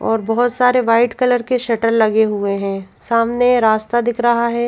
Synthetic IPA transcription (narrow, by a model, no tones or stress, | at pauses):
ɔːɾbɐɦʊt̪saːɾeʋaːɪʈkɐləɾkeʃɐʈəɾlɐɡeɦueɦɛ̃saːmneɾaːst̪ad̪ɪkʰɾɐɦaɦɛː